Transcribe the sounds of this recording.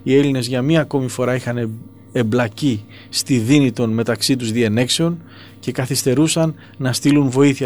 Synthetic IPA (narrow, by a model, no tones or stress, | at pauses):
ie̞line̞zʝɐmɲɐːko̞mifo̞ɾɐixɐn | e̞blɐci | st̪iðinit̪o̞nme̞t̪ɐksit̪uzðiene̞kse̞o̞n | ce̞kɐθist̪e̞ɾusɐnː | ɐst̪ilunvo̞iθi